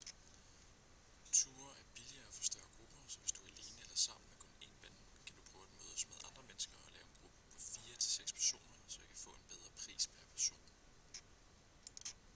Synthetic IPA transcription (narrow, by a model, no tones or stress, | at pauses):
t͡sʰuːɐʔæɐb̥iliɐːæfɒ̽sd̥ɶɐ̰ɡ̥ʁub̥ɐsɒ̽ʋe̝sd̥uæɐle̝ːnəelɐsɑ̈m̰n̩mekʰɔ̽ne̝̰ːnb̥æn | kʰæd̥u̥pʰʁ̥œːʊæd̥enmoðˠsmeðˠɑ̈nd̥ʁɐmenəsɡ̥ɐɒlɛ̰ːʊe̝nɡ̥ʁub̥əpʰɒ̽fiːɐt͡sʰe̝lseɡ̥spʰæɐso̝̰ːnɐsɒ̽jɑkʰæfɔ̰̽e̝nb̥eð̞ˠʁɐpʰʁḭːsmeɐpʰæɐso̝̰ːn